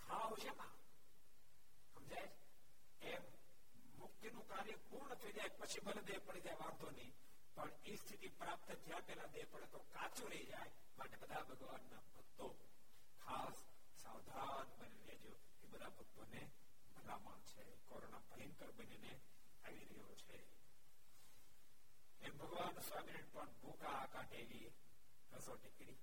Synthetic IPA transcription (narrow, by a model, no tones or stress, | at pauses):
kʰaʋd͡ʒena | ɦəmd͡ʒajt͡ʃʰ | e | mʊkt̪jənũkaɾjəpuɾɳət̪ʰəid͡ʒajpət͡ʃʰibʱəled̪epəɽid͡ʒajʋaɾt̪onĩ | pəɳ | ist̪ʰit̪ipɾap̚t̪ət̪ʰjãpɛlad̪epəɽet̪okat͡ʃuɾəid͡ʒaj | maʈebəd̪ʱabʱəɡʋanːabʱət̪ːo | kʰasː | awd̪ʱa | nbəniɾed͡ʒjo | ebəd̪ʱabʱət̪ːone | bʱəɾamã̰t͡ʃʰe | koɾonabʱəɦiŋkəɾbənene | aʋiɾəɦjo̰t͡ʃʰe | ebʱəɡʋansɔmɪniʈ̚pəɳbʱokaːkãʈeli | ɾəsoʈekɽi